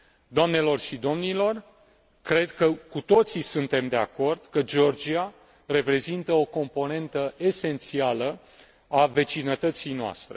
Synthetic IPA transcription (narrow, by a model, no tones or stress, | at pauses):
d̪oamne̞lo̞rʃid̪o̞mnilo̞r | kɾe̞d̪kəkut̪o̞t̪sisunt̪e̞md̪e̞ako̞rd̪̥kəd͡ʒeo̞rd͡ʒia | re̞pɾe̞zint̪əo̞ko̞mpo̞ne̞nt̪əʔe̞se̞nt̪sialə | ave̞t͡ʃinət̪ət̪sijnoa̰st̪ɾe̞̰